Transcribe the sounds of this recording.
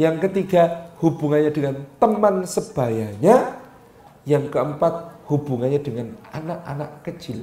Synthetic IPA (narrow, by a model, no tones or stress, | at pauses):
jaŋkət̪iɡahubuŋanɲadəŋant̪əmansəb̥a̤jaɲa | jaŋkəəmpat̪̚hubuŋanɲadəŋana̰naʔa̰naʔkət͡ʃɪl